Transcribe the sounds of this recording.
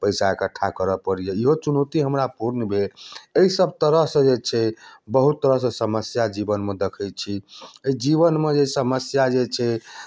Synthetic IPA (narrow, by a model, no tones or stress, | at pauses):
pəɪsakəʈʰːakəɾəpəɾijeiɦot͡ʃunot̪iɦəmɾapuɾnəbʱeeisəbt̪əɾəɦsə̃d͡ʒet͡ʃʰɛbəɦut̪ːəɾəɦsə̃səməsjad͡ʒibənmed̪ekʰəj̚t͡ʃʰieid͡ʒiβənmed͡ʒesəməsjad͡ʒet͡ʃʰɛ